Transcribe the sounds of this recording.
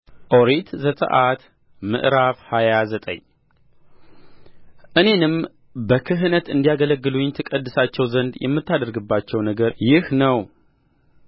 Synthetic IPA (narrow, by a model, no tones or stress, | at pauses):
ʔo̞ɾet̪zət̪ʼə̰ʔat̪ | mɨ̰ʔɾafhajazət̪ʼə̰ɲ | ʔɨne̞nɨm | bəkʰɨɦɨnət̪ɨnd̪ijaɡələɡːɨluɲt̪ʰɨkʼəd̪ːɨsat͡ʃːɛwzənd̪jɛ̰mːɨt̪ʰːad̪əɾɡɨbːat͡ʃːɛwnəɡəɾjɪhnəw